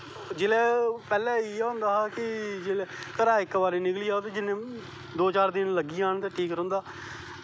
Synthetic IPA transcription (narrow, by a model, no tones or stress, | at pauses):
d͡ʒɪlɛːpɛːlɛ̃ːiɦõnd̪aːakɪd͡ʒɪlɛːkəɾaːɪkːbaːɾeːnɪkliːaːt̪eːd͡ʒɪnẽː | d̪oːt͡ʃaːɾd̪ɪnləɡiːaːnt̪ẽːʈʰiːkɾə̃ːnd̪aː